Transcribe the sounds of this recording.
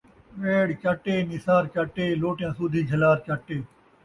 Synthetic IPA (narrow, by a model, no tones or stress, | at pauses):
ʋeːɽkaːʈeːnɪsaːɾkaːʈeːloːʈɪjãːsuːd̪ʱiːd͡ʒʱəlaːɾkaːʈeː